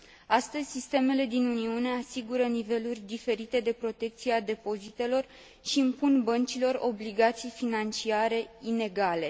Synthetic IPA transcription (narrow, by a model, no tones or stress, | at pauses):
ast̪əzʲsist̪e̞me̞le̞d̪inuniune̞asiɡuɾənive̞lurʲd̪ife̞ɾit̪e̞d̪e̞pɾo̞t̪e̞k̚t̪siead̪e̞po̞zit̪e̞lo̞r | ʃiːmpunbənt͡ʃilo̞ɾo̞̰bliɡat̪sijfinant͡ʃiaɾe̞ine̞ɡale̞